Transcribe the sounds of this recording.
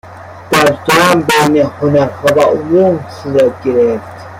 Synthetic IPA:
d̪̥æɾd͡ʒæːmbejnehonæɾhɔːvæʔomumsuːɾæt̪̚ɡe̞ɾeft̪

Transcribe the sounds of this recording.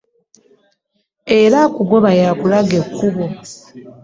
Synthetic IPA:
eɾakuɡo̞βajakulaɡe̞kːuβo̞

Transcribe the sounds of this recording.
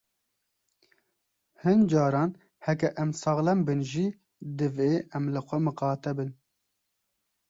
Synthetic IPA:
hɨnd͡ʒɑːɾɑːn | hɛkɛʔɛmsɑɣlɛmbɨnʒi | d̪ɨveːʔɛmlɨxʷɛmɨqɑːt̪ɛbɨn

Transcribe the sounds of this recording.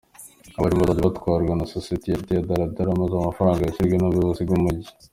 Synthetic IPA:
aβaɾimaɾadiβatkwaːɾɡwanasosietijatijadaɾadaɾamazamafɾaːŋɡajasiɾɡenaβoβosiɡumuɟi

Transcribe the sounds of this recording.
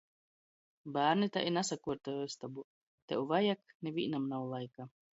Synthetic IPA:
baːɾnit̪a̰ʔinasakuɔɾt̪ajest̪abu | t̪ɛwvajaknevʲḭːnamnawlˠajka

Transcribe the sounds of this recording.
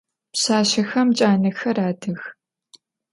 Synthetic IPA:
pɕaːɕɐxɐmt͡ʃʼaːnɨxɐɾaːdʰɨx

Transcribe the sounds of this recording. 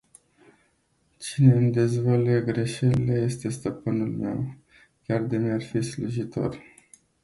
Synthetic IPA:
t͡ʃine̞ɨnd̪e̞zvaleɡɾe̞ʃelileje̞st̪e̞st̪əpɨnulme̞̰w | kʲard̪emearfisluʒit̪o̞̰r

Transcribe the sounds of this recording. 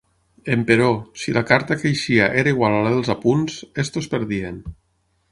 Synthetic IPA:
empeɾɔsilakaɾt̪akejʃiaʔeɾaiɣwalalaðelˠzapunzest̪ospeɾðien

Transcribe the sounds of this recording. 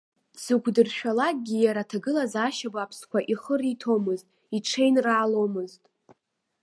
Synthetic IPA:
sɨkʷʰdɨrʃᶣalak̚ʼɡʲijaɾatʰaɡɨlazaʃabapʰskʷʰaʔiχəritʰo̞mɨztʼ | iʈ͡ʂʰe̞jnraːlo̞mɨztʼ

